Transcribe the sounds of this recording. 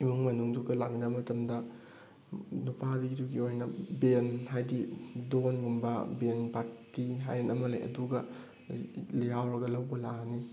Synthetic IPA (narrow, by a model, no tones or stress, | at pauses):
imuŋmɐnuŋduɡɐlak̚ninɐmɐtɐmdɐ | nupadiɡiduɡiojnɐbenɦajdidonɡumbɐ̰benpaɾtːiɦajenɐmɐlḛjʔɐ̰duɡɐ | liɦawɾɐɡɐlɐwbɐlaɦni